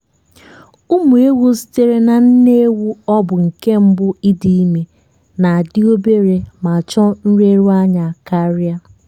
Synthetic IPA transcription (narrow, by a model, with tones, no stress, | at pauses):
u˦mu˨e˦wu˦si̥˦te˦ɾe˦na˨n̩˦ne˦wu˦ɔ˦bʊ˨ŋ̩˨ke˦m̩˦bʊ˦i˦di˦me˨ | na˨a˨dɪ˦o˦be˦ɾe˨ma˨t͡ʃɔ˦n̩˦ɾe˦ɾu˦a˦ɲa˨ka˦ɾɪ˦a˦